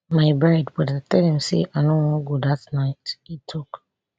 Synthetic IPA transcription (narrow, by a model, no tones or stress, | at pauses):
maɪbadwɛdatɛlim̩sḭʔanʊŋɡudatnaɪtitʰʊk